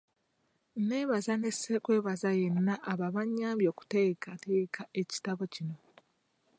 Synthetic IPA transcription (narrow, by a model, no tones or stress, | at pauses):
neːβazane̞sekwe̞ːβazaje̞nːaʔːβaβaɲːaːmbjo̞ːku̥teːkate̞ːkʰaʔe̞ci̥taβo̞cino̞